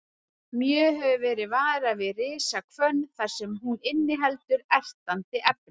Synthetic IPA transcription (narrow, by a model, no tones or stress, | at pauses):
mjœːɦɛvʏvɛːɾɪðvaːɾavɪðrɪːsakʰvœnːθaɾ̥sɛmɦunɪnːɪɦɛlt̪ʏɾɛr̥t̪ant̪ɪʔɛp̚n